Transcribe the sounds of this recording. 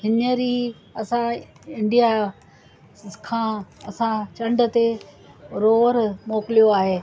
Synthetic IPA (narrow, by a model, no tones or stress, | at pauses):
ɦɪnəɾiː | ɐsã | ɪ̃ɳɖija | kʰãːɐsãt͡ɕɐ̃ɳɖət̪e | ɾoːʋəɾmoːkɪlijoaːɦeː